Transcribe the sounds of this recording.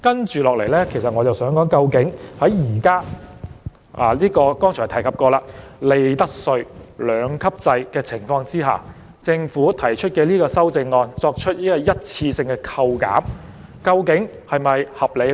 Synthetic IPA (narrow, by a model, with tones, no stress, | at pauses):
kɐ˥nt͡ʃyː˨lɔː˨k̚le˨˩jlɛː˥kʰe˨˩js̬ɐ˨t̚ŋɔː˨˧t͡sɐ˨wsœː˨˥ŋkɔː˨˥ŋkɐ˧wkɪ˨˥ŋhɐ˨˥jjiː˨˩kaː˥ | a̰ː˨˩liː˥kɔː˧kɔː˥ŋʰɔː˨˩t̪ʰɐ˨˩jkʰɐ˨p̚kɔː˧laː˧le˨˧jt̪ɐ˥k̚sɵ˧ɥlœː˨˧ŋkʰɐ˥p̚t͡sɐ˧jkɛː˧t͡sʰɪ˨˩ŋfɔː˧ŋt͡siː˥ɦa̰ː˨ | t͡sɪ˧ŋfuː˨˥t̪ʰɐ˨˩jt͡ʃʰɵ˥t̚kɛː˧liː˥kɔː˧sɐ˥wt͡sɪ˧ŋːɔː˧nt͡sɔː˧k̚t͡ʃʰɵ˥t̚liː˥kɔː˧jɐ˥t̚t͡sʰiː˧sɪ˧ŋkɛː˧kʰɐ˧wka̰ː˨˥m | kɐ˧wkɪ˨˥ŋ | hɐ˨jmɐ˨jhɐ˨p̚le˨˧